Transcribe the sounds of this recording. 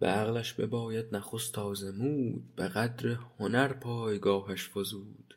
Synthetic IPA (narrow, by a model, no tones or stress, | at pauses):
b̥ḛæɣlæʃbḛbɒːjæd̪̥næχo̞st̪ʰɒːze̞muːd̪̥b̥eɣæd̪ɾehonæɾpʰɒːjɡɒːɦæʃfozuːd̪̥